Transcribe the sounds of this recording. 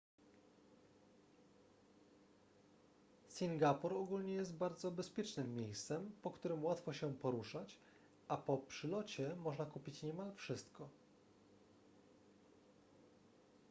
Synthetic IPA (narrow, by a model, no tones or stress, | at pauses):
sʲiŋɡapuɾɔɡulɲɛjɛst̪baɾd̪zɔbɛspʲjɛt͡ʂnɘmːjejst̪sɛmpɔkt̪uɾɘmwat̪fɔɕɛpɔɾuʂat͡ɕ | ʔapɔpʂɘlɔt͡ɕɛmɔʐnakupʲit͡ɕɲɛmalfʂɘst̪kɔ